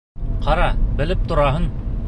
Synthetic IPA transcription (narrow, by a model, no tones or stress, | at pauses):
qʰɑɾɑbɘ̆lɘp̚t̪ŏɾɑɦɤn